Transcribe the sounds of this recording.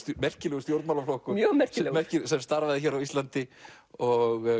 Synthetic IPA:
t̪mɛr̥cɪlɛɣʏst̪jowɾt̪malaflohkʏmjœɣmɛr̥cɪɛmɛr̥cɪsɛmst̪aɾvaðɪçɛːɾawist̪lant̪ɪ | ɔɣ

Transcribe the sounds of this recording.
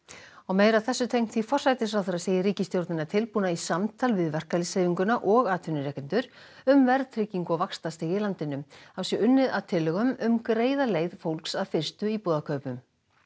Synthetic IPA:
awmeːjɾaðθɛsːʏt̪ʰejkm̥t̪θifɔr̥sajt̪ɪsfɾawθɛɾaseːjɪɾiːcɪst̪jowɾt̪nɪnat̪ʰɪlpuːnaisamt̪ʰaːlvɪðvɛr̥kalɪseːjviŋkʏnaʔɔɣaːt̪ʰʏnɪɾɛkcɛnt̪ʏɾ̥ | ʏmvɛɾðt̪ʰɾɪciŋkɔvakst̪ast̪ɪːɣɪlant̪ɪnʏmawsjɛʔʏnːɪðaðt̪ʰɪlːʏɣʏmʏmkɾeːjðaleːjðfowlksaðfɪr̥st̪ʏipɔːðakʰœːɥpʏm

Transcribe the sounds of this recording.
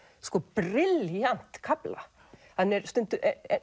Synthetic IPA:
skɔpɾɪljan̥t̪kʰapla̰ | hanːɛɾst̪ʏnt̪ʏʔɛ

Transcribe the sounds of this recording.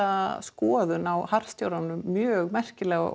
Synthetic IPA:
askɔːðʏnawhaɾ̥st̪jowɾanːʏmːjœːɣmɛr̥cɪlɛːɣ̰

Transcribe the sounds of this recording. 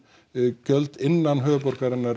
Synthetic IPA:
cœlt̪ɪnːanɦœːp̬ɔɾ̥kaɾɪnːaɾ

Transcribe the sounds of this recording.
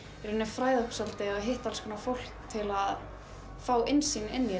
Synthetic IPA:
ɛɾ̥ʏnːɪfɾaːjðʏhpsalt̪ɪaðɦeht̪alskʰʏnafowl̥k̚t̪ʰɪlað | faːwʔɪnsinɪnːjɛ

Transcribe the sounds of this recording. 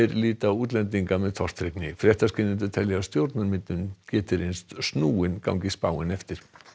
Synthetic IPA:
ɛɾliːt̪auːt̪lɛnt̪iŋkamɛðt̪ʰɔr̥t̪ɾeknɪfɾjɛht̪ascɪnɪnt̪ʏ̥t̪ʰɛljɛɣast̪jowɾt̪naɾmɪt̪nʏncɛːt̪ɪɾejnst̪snuːɪnka̰wŋcɪspaːwɪnɛft̪ɪɾ̥

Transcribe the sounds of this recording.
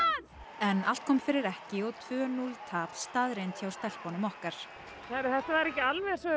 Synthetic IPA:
ɛnal̥t̪̚kʰɔːmfɪɾɪɾɛhcɪɔt̪ʰvœːnult̪ʰaːpst̪aðɾent̪çawst̪ɛl̥pɔnʏmɔhkaɾ̥ | θaɾθɛht̪avaɾɛhcɪalvɛsvɛ

